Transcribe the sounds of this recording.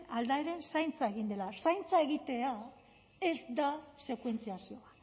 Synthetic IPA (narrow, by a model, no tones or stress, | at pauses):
ald̪aeɾe̞nsajnt͡sae̞ɣind̪e̞lasajnt͡sae̞ɣit̪e̞a | e̞zd̪ase̞kwe̞nt͡siasio̞a